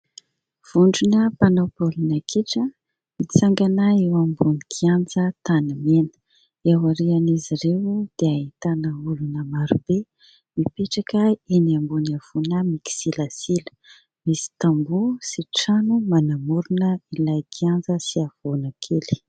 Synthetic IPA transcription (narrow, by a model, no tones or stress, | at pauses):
v̥uɳɖ͡ʐunəpanowpulunakʰeʈ͡ʂə | mit͡saŋɡanaewambunikiand͡zət̪anamenə̥ | ewaɾianiziɾewd̪̥eaɦit̪anəulunəmaɾub̥e | mipeʈ͡ʂakəeniambunav̥unəmiki̥silasilə̥ | misi̥t̪ambusiʈ͡ʂanumanamuɾunəilajkiand͡zəsiav̥onakʰeli̥